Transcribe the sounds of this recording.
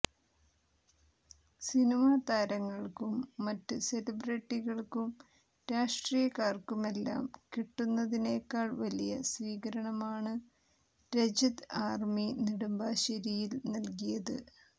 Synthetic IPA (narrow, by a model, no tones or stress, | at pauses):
sinimaːt̪aːɾɐŋːɐɭkumːɐtːɨselɐbreʈːiɣɐɭkum | ɾaːʂʈrijɐkaːrkume̞lːa̰ːmkiʈːunːɐðine̞ːkːaːɭʋɐlijɐsʋiːɣɐɾɐɳɐmaːɳɨ | ɾed͡ʑɐd̪aːrminiɽumbaːɕɐɾijilnɐlkijɐðɨ̰